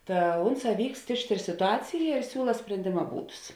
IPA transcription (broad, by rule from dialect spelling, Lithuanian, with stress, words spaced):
ˈtɐ ˈʊnˌsɑː ˈʋʲiːkst ˈɪʃʲˌtʲeːr sʲɪtʊˈɑːt͡sʲɪjɛ ɪr ˈsʲuːlˠɐ sʲpʲrʲɛnʲˈdʲeːmɐ ˈbuːdʊs